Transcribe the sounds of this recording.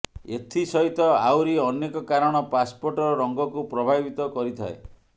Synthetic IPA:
et̪ʰisɔɦit̪ɔawɾiɔnekɔkaɾɔɽ̃ɔpaspoɾʈɔɾɔɾɔŋɡɔkupɾɔbʱabit̪ɔkɔɾit̪ʰa̰e

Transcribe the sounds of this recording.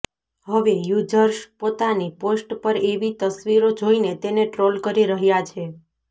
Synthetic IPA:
ɦəʋejud͡ʒəɾʃpot̪aniposʈpəɾeʋit̪əsʋiɾod͡ʒoinet̪eneʈɾolkəɾiɾəɦjat͡ʃʰe

